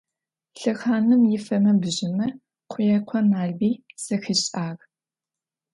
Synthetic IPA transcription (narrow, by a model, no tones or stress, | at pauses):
ɬɨxaːnɨmjɪfɐmɐbɨʑɪmɐ | qʷʰʊjɛqʷʰɔnaːɮbiːsɐxɨɕʼaːɣ